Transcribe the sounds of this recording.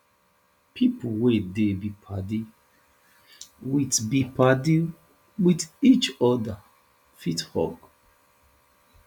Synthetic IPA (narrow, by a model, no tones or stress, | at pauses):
pʰipowedebipʰadi | witbipʰadi | widit͡ʃɔda | fithɔ̰ɡ